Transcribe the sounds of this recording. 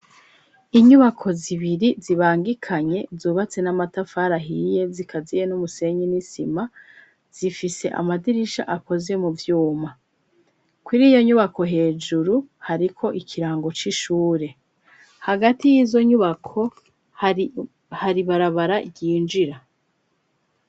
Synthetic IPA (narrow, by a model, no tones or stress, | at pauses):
iɲuβakʰo̞ziβiɾiziβaːŋɡikʰaɲe̞zuːβat͡se̞namatafaːɾaɦije̞zikʰazijenumuse̞ɲinisima | z̥ifise̞ʔa̰madiɾiʃa̰ʔako̞ze̞muvjuːma | kwuɾiːjo̞ɲuβako̞ɦe̞ːd͡ʒuɾuhaɾikʰo̞ʔikʰiɾaːŋɡo̞t͡ʃiʃuːɾe̞ | haɡatijiːzo̞ɲuβakʰo̞ | haɾiβaɾaβaɾaɟiːnd͡ʒiɾa